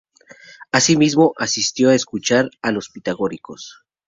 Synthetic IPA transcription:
asimizmo̞ʔasist̪jo̞aeskut͡ʃaɾalo̞spit̪aɣo̞ɾiko̞̰s

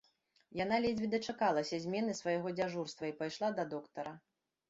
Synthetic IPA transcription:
jan̪alʲɛd͡zʲbʲid̪ɐt͡ʂakalˠɐsʲɐzʲmʲɛnɨsvɐjɣɔd͡zʲaʐurst̪vɐipajʂlˠad̪ɐd̪ɔkt̪ɐɾɐ

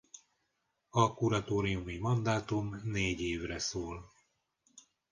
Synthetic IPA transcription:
ɒkuɾɒt̪oːɾiumimɒnd̪aːt̪umneːɟeːvrɛsoːl

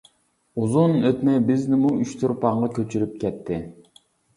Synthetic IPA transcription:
uzunøt̪mɛjbɪznɪmuyʃt̪ʰuɾpɑŋʁɑkʲʰøt͡ʃʰyɾyp̚kʲʰɛt̪ʰːɪ

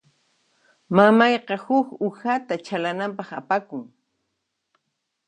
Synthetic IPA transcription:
mamɑjqɑhʊkʊhat̪at͡ʃalanampɑχapakʊŋ

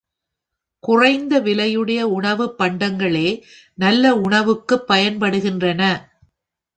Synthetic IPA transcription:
kʊrɐɪnd̪ɐʋɪlɐjɯɽɐjɐʊɳɐʋɯpːɐɳɖɐŋɡɐɭeː | nɐlːɐʊɳɐʋɯkːɯpːɐjɐnpɐɽɯɣɪndrɐnɐ

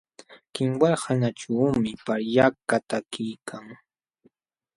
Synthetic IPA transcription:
kɪŋwaɾhanaʈ͡ʂaːmɪpaɾjakat̪akijkʰaŋ

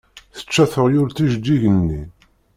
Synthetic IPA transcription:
θə̥t͡ʃːæθəʁjʊɾt̪iʒd̪ːiʝənːi

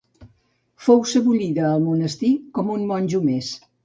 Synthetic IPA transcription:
fowsəβuʎiðəːlˠmunəst̪ikɔmunmɔnʲʒumes

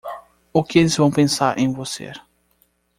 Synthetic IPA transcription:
ʊkɪelɪzvɐ̃w̃pẽsaɾʔẽj̃vosḛɾ

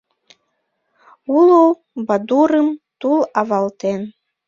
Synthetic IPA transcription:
ulow | bɑd̪uɾəmt̪ulɑβɑlt̪en

